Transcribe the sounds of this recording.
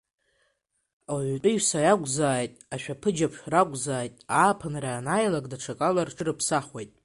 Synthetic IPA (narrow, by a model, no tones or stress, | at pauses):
awʕtʼʊɥsajaɡʷʼzaːjtʼaʃᶣapʰɨd͡ʒapʰʃᶣraɡʷʼzaːjtʼaːpʰanraːnajlakʼdaʈ͡ʂʰakʼalarʈ͡ʂʰɨrɨpʰsaχwejtʼ